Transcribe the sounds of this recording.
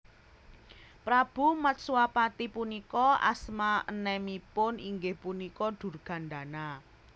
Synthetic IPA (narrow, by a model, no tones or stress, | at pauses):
pɾab̥umat̪̚suapat̪ipunikɔa̰smaənɛmipʊniŋɡehpunikɔd̪̥ṳrɡ̥ä̤nd̪a̤na